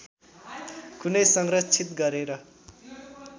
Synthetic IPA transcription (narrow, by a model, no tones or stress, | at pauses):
kunʌjsʌŋrʌt͡sʰit̪ɡʌɾeɾʌ